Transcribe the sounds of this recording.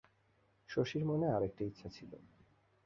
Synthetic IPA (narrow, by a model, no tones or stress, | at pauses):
ʃoʃiɾmoneaɾek̚ʈiit̪ːsʰat͡ɕʰilo̰